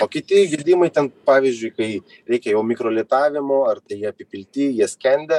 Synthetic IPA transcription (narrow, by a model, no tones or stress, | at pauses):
oːkʲɪt̪ʲɪɡʲɪlʲd̪ʲiːmɐɪt̪ʲɛnpɑːʋʲizʲd͡ʒʲʊɪkɐɪ | ɾʲɛɪkʲɛjɛʊmʲɪkɾoːlʲiːt̪ɑːʋʲɪmoɐrt̪ɐɪjiɛɐpʲɪpʲɪlʲt̪ʲɪːjiɛsʲkʲɛnʲd̪ʲɛ